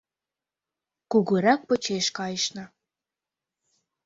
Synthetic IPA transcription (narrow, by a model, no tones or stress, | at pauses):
kuɣuɾɑk̚pə̆t͡ɕeʃkɑjəʃnɤ̆